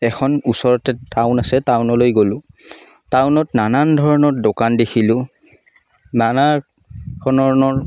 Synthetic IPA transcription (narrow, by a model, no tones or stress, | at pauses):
ɛxʰɔnusɔɹɔtɛtaʊnasɛtawnɔlojɡolʊ̃ | tawnɔtnanandʱɔɹɔnɔɹdokandexʰilʊ̃ | nana | dʰʱɔnɔɹɔnɔɹ